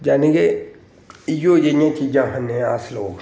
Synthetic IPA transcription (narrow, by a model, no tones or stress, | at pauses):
d͡ʒaːnẽːɡe | ɪjoːd͡ʒeɪjãːt͡ʃiːd͡ʒãːɦənẽːaːsloːɡ